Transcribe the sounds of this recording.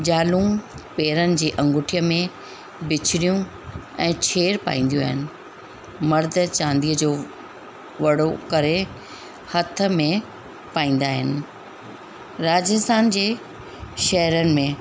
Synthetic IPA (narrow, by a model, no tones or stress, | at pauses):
d͡ʑaːlũːpeːɾənɪ̆d͡ʑiːʔɐ̃ŋɡʊʈʰijəmẽ | bɪt͡ɕʰɪɽijũ | ɛ̃ːt͡ɕʰeːɾpa̰ːĩːn̆d̪ijũa̰ːɦɪnɪ̆ | mɐɾd̪̆ʱt͡ɕãːnd̪iːəd͡ʑoː | ʋɐɽokɐɾe | hɐt̪ʰə̆mẽ | paːĩːn̆d̪aːɦɪnɪ̆ | ɾaːd͡ʑəst̪ʰaːnd͡ʑeː | ʃɐɦɾənɪ̆mẽ